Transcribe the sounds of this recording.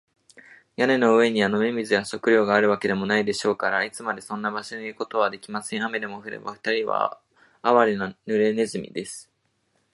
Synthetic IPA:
jane̞no̞ɯ̟e̞ɲ̟iano̞me̞mʲizɨɡaɕo̞kɯ̟ɾʲo̞ːɡaːɾɯ̟β̞ake̞d̪e̞mo̞naid̪e̞ɕo̞ːkaɾait͡sɨmad̪esõ̞nːabaɕo̞ɲiiɾɯ̟ko̞t̪o̞βad̪e̞kʲimasẽ̞ɰ̃ame̞d̪e̞mo̞ɸɯ̟ɾe̞̰ba̰ɸɯ̟̥t̪aɾʲiβa̰ | aβaɾʲinonɯ̟ɾe̞ne̞zɨmʲḭd̪e̞sɨ̥

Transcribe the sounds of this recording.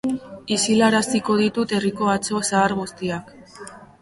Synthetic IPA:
isilaɾasiko̞ð̞it̪ut̪e̞riko̞at͡so̞saːɾɣust̪iak

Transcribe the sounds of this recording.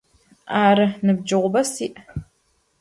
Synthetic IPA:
aːɾɨnɨb̚d͡ʒɨʁʷʊbɐsiːʔ

